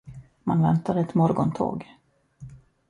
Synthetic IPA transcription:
manvɛnt̪ad̪əɛt̪mɔɾɡɔnt̪ʰo̰ːɡ

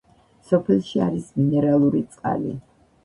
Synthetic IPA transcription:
sɔpʰɛlˠʃiaɾisminɛɾalˠuɾit̪sʼqʼa̰lḭ

